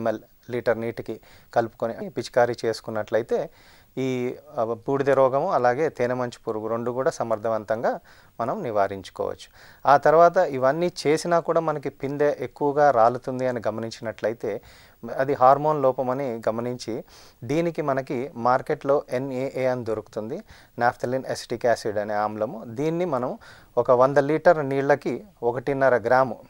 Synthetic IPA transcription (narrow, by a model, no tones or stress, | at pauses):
mel | liʈɐɾniːʈki | kɐlupu̥koniʔɐpit͡ʃi̥kaːɾit͡ʃe̞ːsu̥kunːɐʈlɐjit̪e̞ː | iːpuːɽid̪ɐɾɔːɡɐmuɐlaːɡe̞ːt̪eːnɐmɐɲt͡ʃi̥puɾuɡuɾoɳɖukuːɽaːsɐmɐɾd̪ʱɐʋɐnt̪ɐŋɡaː | mɐnɐmniʋaːɾiɲt͡ʃu̥kɔ̰ːʋɐ̰t͡ʃːu̥ | aːt̪ɐɾuʋaːt̪̬ɐiʋɐnːiːt͡ʃe̞ːsinaːkuːɽaːmɐnɐkipind̪eʔekːuʋɐɡaːɾaːlut̪und̪iɐniɡɐmɐniɲt͡ʃinɐʈlɐjit̪e̞ː | ɐd̪iɦaːɾmo̞ːnlɔːpɐmɐniɡɐmɐniɲt͡ʃid̪iːnikimɐnɐkimaːɾke̞ʈlo̞ːʔe̞neːʔeːɐnid̪oɾuku̥t̪und̪i | naːpʰt̪ʰɐlinesʈiːkaːsiɖɐneːaːmlɐmud̪iːnːimɐnɐmu | ɔkɐʋɐnd̪ɐliːʈɐɾniːɽlɐkiɔkɐʈinɐɾɐɡɾaːmu